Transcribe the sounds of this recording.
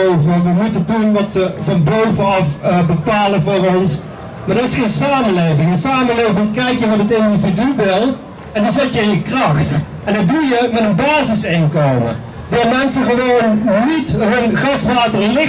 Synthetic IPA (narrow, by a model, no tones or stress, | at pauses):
owvəʋəmutədunʋɑtsəvɑnbowvəɑfbəpaːləvʊːrɔns | maːɹdɑtɪsχejnsaːməlejvɪŋənsaːməlejvɪŋkɛjkjəʋɔtətɪndividyʋɪlˠ | ɛndɑzɛtjəɪnjəkrɑχt | ɛndədujəmɛtənbaːzɪsɪŋkowmə̰ | dɔːmɛnsəχəʋownːitɦɵnχɑsʋaːtərlɪ